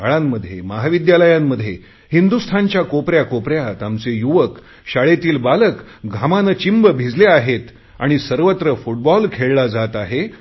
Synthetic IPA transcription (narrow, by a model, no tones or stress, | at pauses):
aɭamːəd̪ʱːjeməɦaʋid̪jaləjãmːəd̪ʱːje | hind̪ust̪ʰant͡ɕjakopɾjakopɾjat̪amt͡sejuʋək | ɕaɭet̪iːlbalək | ɡʱamanət͡ɕimbəbʱid͡zleaɦet̪ | a̰ɽ̃isəɾʋət̪ɾəfuʈ̚bɔlkʰeɭlad͡zat̪aɦe